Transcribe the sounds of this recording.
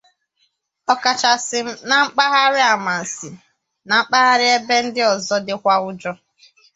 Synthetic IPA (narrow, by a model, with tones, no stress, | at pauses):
ɔ˨ka˨t͡ʃa˨sɪ˨m̩˦na˨ŋ͡m̩˦k͡pa˦ɣa˦ɾɪ˦a˨ma˨n̩˨sɪ˨ | na˨ŋ͡m̩˦k͡pa˦ɣa˦ɾɪ˦e˦be˦n̩˦dɪ˦ɔ˨zɔ˦dɪ˦kʷa˦ʊ˦d͡ʒɔ˦